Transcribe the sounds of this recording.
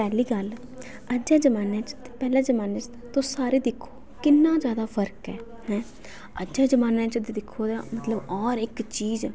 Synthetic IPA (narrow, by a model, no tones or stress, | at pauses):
pɛːliːɡəl | əd͡ʒɛ̃ːd͡ʒəmaːnẽːt͡ʃt̪eːpɛːlɛ̃ːd͡ʒəmaːneːt͡ʃ | t̪õːsaːɾeːd̪ɪkʰːo̥ː | kɪnːãːd͡ʒjaːd̪aːfʰəɾkɛː | hɛ̃ː | əd͡ʒɛ̃ːd͡ʒəmaːnɛ̃ːt͡ʃəd̪eːd̪ɪkʰːoːd̪amət̪ləbɔːɾɪkt͡ʃiːz